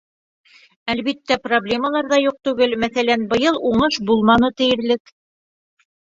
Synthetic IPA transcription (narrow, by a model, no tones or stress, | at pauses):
ælβit̪ːæproblʲe̞məlˠɑɾðɑjuq̚t̪ʉɡɘlmæθælænbɤ̆jɤlˠuɴɤʃbulˠmɑnɤt̪ɘ̆jɘ̆ɾlɘk